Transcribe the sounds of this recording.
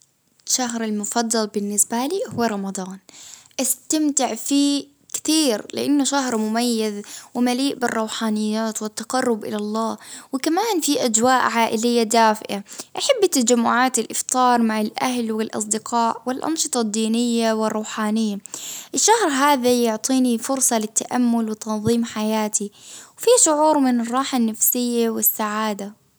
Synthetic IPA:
ʃaɦɾɪlmʊfɑd̪ˤːɑlbɪnːɪsbaliːhʊːɾˤɑmɑd̪ˤɑːnʔast̪amt̪ɪʕfiː | kɪ̥t̪iːɾlɪ̰ʔanːʊʃaɦɾmʊmajːazwɪmaliːʔbɪrˤːɑwħaːnɪjːaːt̪wɪt̪ːaqɑrˤːʊbʔɪ̰lalˤːɑːwɪkamaːnfiʔad͡ʒwaːʔʕaːʔɪlɪjːad̪aːfɪʔaʔaħabːɪt̪ːad͡ʒamːʊʕaːt̪ɪlʔɪft̪ˤɑːɾˤmaʕalʔaɦlwɪlʔɑ̰s̬ˤd̪ɪqʰɑːʔwɪlʔɑ̰nʃɨt̪ˤɑd̪ːiːnɪjːawɪrˤːɑwħaːnɪjːaʔɪʃːahɾɦaːðajʊʕt̪ˤiːnifʊɾsˤɑlɪt̪ːaʔamːʊlwɪt̪ɑnðˤiːmħajaːt̪ʰiwfiʃʊʕuːɾmɪnɪrˤːɑːħanːafsɪjːawɪsːaʕaːd̪a

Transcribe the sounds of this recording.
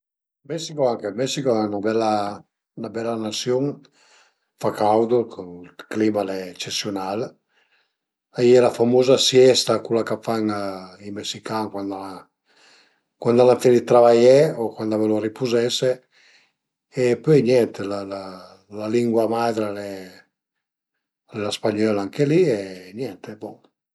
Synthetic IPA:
mɛsikoaŋkemɛsikoɛnabɛlːa | nabɛlːanasjoŋ | fakawd̪okoklimalɛːt͡ʃesjonal | ajɛlafamozasjɛst̪akulːakafaŋimesikaŋkwand̪aa | kwand̪alaɱfɛlit̪ɾavajɛokwand̪aveloripuzɛse | epøjnjɛnt̪elala | laliŋɡwamad̪ɾalɛ | lɛlaspaɲɔlaaŋkelienjɛnt̪ebɔ

